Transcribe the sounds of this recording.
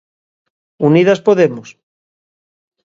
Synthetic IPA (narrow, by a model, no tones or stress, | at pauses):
uniðaspoðemos